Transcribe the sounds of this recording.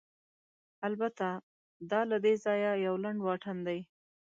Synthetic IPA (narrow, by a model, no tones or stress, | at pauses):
albat̪a | d̪ɑlad̪ezɑjajawlaɳɖwɑʈʰand̪aj